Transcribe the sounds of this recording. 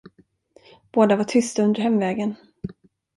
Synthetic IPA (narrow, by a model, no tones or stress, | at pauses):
b̥oːd̪avaʈʰʏst̪aɵnd̪əɾhɛmːvɛːɡən